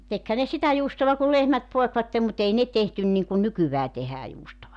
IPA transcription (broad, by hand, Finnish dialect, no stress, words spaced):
tekhæ ne sitæ juːstoʋɑ ku lehmæt poekʋɑtːem mut ei ne tehtyn niŋkun nykyʋæː tehæː juːstoʋɑ